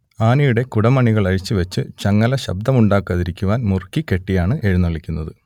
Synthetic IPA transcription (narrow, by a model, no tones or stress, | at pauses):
aːnijuɽe̞kuɽɐmɐɳiɣɐɭɐɻit͡ɕːɨʋet͡ɕːɨt͡ɕɐŋːɐlɐɕɐ̰b̚d̪ʱɐmuɳɖaːkːɐðiɾikʲːuʋaːnmurkːike̞ʈːijaːɳɨʔe̞ɻunːɐɭikʲːunːɐðɨ